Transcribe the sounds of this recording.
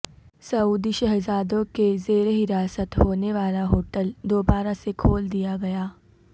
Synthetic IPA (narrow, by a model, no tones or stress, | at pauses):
sɐuːd̪iʃɐɦzaːd̪õkezeːɾeɦɪɾaːsət̪ɦoːneʋaːlaɦoːʈəld̪oːbaːɾasekʰoːld̪ijaɡɐjaː